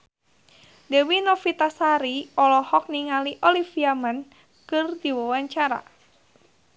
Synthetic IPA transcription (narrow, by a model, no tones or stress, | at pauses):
dɛwinɔfit̪asaɾiɔlɔhɔk̚niŋaliʔɔlifiaman | kɨrdiwɔwaɲt͡ʃaɾa̰